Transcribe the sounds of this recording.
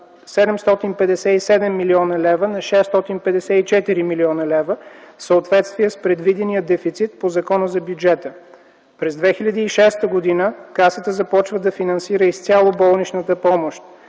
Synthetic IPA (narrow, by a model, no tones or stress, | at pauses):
sɛd̪ɛmst̪ɔt̪inpɛd̪ɛsɛisɛd̪ɛmːiliɔnəlɛvənɐʃɛst̪ɔt̪inpɛd̪ɛsɛit͡ʃɛt̪iɾimiliɔnəlɛvəsəot̪vɛt̪st̪vijəspɾɛd̪vid̪ɛnijəd̪ɛfit̪sit̪pozɐkɔnəzɐbjud͡ʒɛt̪ə | pɾɛzd̪vɛxilʲɐd̪iːʃɛst̪əɡod̪inəkasət̪əzɐpɔt͡ʃvəd̪ɐfinɐnsiɾəist̪sʲalˠobɔlˠnit͡ʃnət̪əpɔmoʃt̪̚